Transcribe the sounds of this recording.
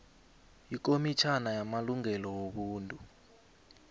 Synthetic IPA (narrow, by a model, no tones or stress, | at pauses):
ik̬ʼomit͡ʃʰanajamaluŋɛlɔwoɓuːntʼu